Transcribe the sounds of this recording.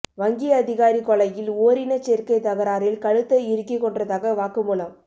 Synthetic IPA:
ʋɐŋɡɪjɐðɪɣaːɾikɔɭɐjɪloːɾɪnɐt͡ʃɛɾkɐɪt̪ɐɣɐɾaːɾɪlkɐɻɯt̪ːɐɪɾɯkːikːɔɳdrɐðaːɣɐʋaːkɯmuːlɐm

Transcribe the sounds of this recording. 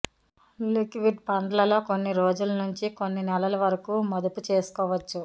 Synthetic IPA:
likʋiɖ̚pɐɳɖɐlɐlo̞ːko̞nːiɾo̞ːd͡ʒulɐnuɲt͡ʃiko̞nːinɛlɐlɐʋɐɾɐkuːmɐd̪ɐput͡ʃe̞ːsu̥kɔːʋɐt͡ʃːu

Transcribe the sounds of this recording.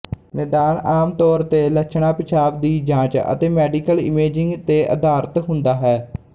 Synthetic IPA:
nɛːd̪aːnaːmt̪ɔːɾt̪eːləkt͡ʃʰɳaːpɪt͡ʃʰaːbd̪iːd͡ʒãːt͡ʃə̰t̪eːmɛːɖiːkəlɪmeːd͡ʒɪŋɡt̪eːʔə̰d̪aːɾt̪ɦʊnd̪aːɦɛː

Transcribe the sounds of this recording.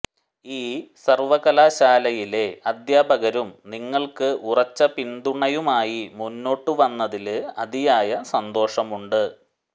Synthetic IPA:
iːsɐrʋɐɣɐlaːɕaːlɐjile̞ɐd̪jaːbʱɐɣɐɾumniŋːɐɭkɨʔurɐt͡ɕːɐpind̪uɳɐjumaːjimunːo̞ːʈːuʋɐnːɐðilɨɐd̪ijaːjɐsɐnd̪o̞ːʂɐmuɳɖɨ

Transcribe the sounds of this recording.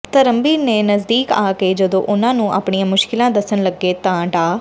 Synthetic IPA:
t̪əɾəmbiːɾneːnəzd̪iːkaːkeːd͡ʒəd̪õ̰ːʔʊnãːnũːʔa̰ːpɳijãːmʊʃkɪlãːd̪əsənləɡːeːt̪ãːɖãː

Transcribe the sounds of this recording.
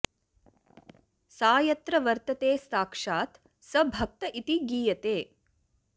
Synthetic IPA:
saːjɐt̪ɾɐʋɐɾt̪ɐt̪eːsaːkʂaːt̪ | sɐbʱɐk̚t̪ɐʔit̪iɡiːjɐt̪eː

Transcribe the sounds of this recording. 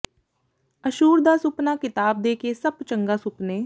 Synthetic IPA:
əʃuːɾd̪aːsʊpnaːkɪt̪aːb̚d̪eːkeːsəbt͡ʃə̃ŋɡaːsʊpneː

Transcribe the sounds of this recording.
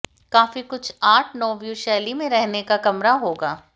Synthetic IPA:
kaːfikʊt͡ʃʰaːʈʰnɔːʋjuʃɛːlimẽɾɛɦnekakɐmɾaɦoːɡaː

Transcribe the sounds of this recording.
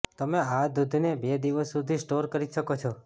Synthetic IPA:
t̪əmead̪ud̪ʱnebed̪iʋəsːud̪ʱisʈoɾkəɾiʃəkot͡ʃʰɔ

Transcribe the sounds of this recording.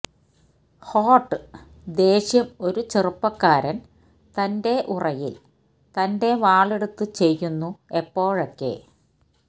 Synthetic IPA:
hoːʈːɨ | d̪e̞ːɕjɐmo̞ɾut͡ɕerupːɐkːaːɾɐn | t̪ɐnde̞ʔurɐjḭl | t̪ɐnde̞ʋaːɭeɽut̪ːɨt͡ɕe̞jːunːue̞pːo̞ːɻokːe̞̰

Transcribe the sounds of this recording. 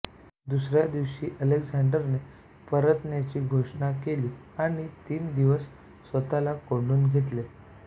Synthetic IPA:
d̪usɾjad̪iʋɕiːʔəlekd͡zaɳɖəɾne | pəɾət̪njat͡ɕiːɡʱoʂɳakeliː | aɽ̃it̪iːnd̪iʋəsː | ət̪alakoɳɖuːnɡʱet̪le

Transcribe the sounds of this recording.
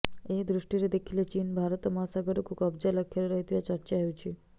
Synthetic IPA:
ed̪ɾuʃʈiɾed̪ekʰilet͡ʃinbʱaɾət̪ɔmɔɦasaɡəɾokukəbd͡ʒaləkʰeɾeɾəɦit̪iʋat͡ʃəɾt͡ʃaɦeut͡ʃʰi

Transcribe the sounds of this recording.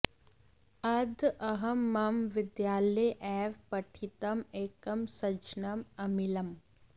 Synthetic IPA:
ɐd̪ʱɐɦɐmːɐmʋɪd̪jaːlɐjʔɛːʋpɐʈʰit̪ɐmeːkɐmsɐt͡ʃnɐmɐmilɐm

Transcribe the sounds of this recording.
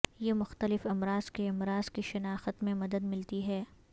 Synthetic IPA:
jemʊxt̪əlɪfɐmɾaːz̥keɐmɾaːz̥kiʃɐnaːxət̪mẽmɐd̪əd̪mɪlt̪iɦɛː

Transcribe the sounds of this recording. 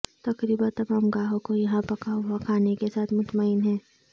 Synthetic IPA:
t̪ɐkɾiːbat̪ɐbaːmɡaːɦõkojɐɦãpɐkaːwakʰaːnekesaːt̪ʰmʊt̪maɪnɦɛ̃ː

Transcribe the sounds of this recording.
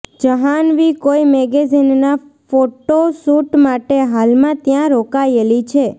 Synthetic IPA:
d͡ʒəɦanʋikoimeɡezinːafoʈosuʈmaʈeɦalmãt̪jãɾokaelit͡ʃʰe

